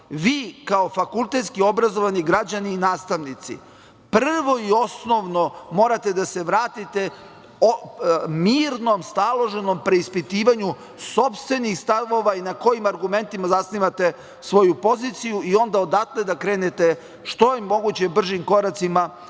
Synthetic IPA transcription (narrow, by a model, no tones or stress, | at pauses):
ʋiːkaofakulˠt̪e̞t̪skio̞bɾazoʋaniɡɾad͡ʑaniːnaːst̪aʋnit̪sḭ | pr̩ʋo̞io̞sno̞ʋnomo̞ːɾat̪e̞d̪ase̞ʋɾaːt̪it̪e̞ | miːɾnomst̪alˠo̞ʒe̞no̞mpɾe̞ispit̪iːʋaɲu | so̞pst̪ʋe̞nixst̪aʋo̞ʋainako̞jimaɾɡume̞nt̪imazasniːʋat̪e̞ | sʋo̞jupo̞zit̪sijuio̞nd̪ao̞d̪at̪led̪akɾe̞ːnet̪e̞ | ʃt̪o̞jemo̞ɡut͡ɕe̞br̩ʒimko̞ɾat̪sima